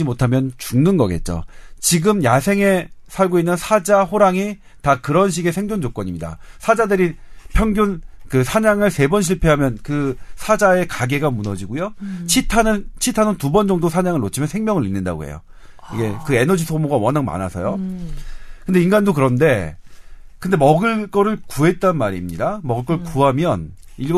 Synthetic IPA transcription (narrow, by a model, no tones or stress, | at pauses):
imotʰamjʌnt͡ɕuŋnɯnɡʌɡe̞̰t̚t͡ɕ͈o̰t͡ɕiɡɯmjasʰe̞ŋe̞sʰaɭɡoinːɯnsʰad͡ʑaɸoɾaŋi | takɯɾʌnɕ̬ʰiɡe̞sʰe̞ŋd͡ʑond͡ʑok͈ʌɲimɲida̰sʰad͡ʑadɯɾipʰjʌŋɡjonkɯsʰaɲaŋɯɭse̞bʌnɕʰiɭpʰeɦamjʌnkɯsʰad͡ʑae̞kaɡe̞ɡamunʌd͡ʑiɡujot͡ɕʰitʰanɯnt͡ɕʰitʰanɯntubʌnd͡ʑʌŋdosʰaɲaŋɯɭːot͡ɕʰimjʌnsʰeŋmjʌŋɯɾinːɯnda̰ɡo̰ɦḛjo̰ | ḭɡe̞kɯe̞nʌd͡ʑisʰomoɡawʌnaŋma̰na̰sʰʌ̰jo | kɯnde̞inɡandokɯɾʌnde̞ | kɯnde̞mʌɡɯɭk͈ʌɾɯɭkuɦe̞t̚t͈anmaɾimɲidamʌɡɯɭk͈ʌɭkuɦamjʌn | iɭɡ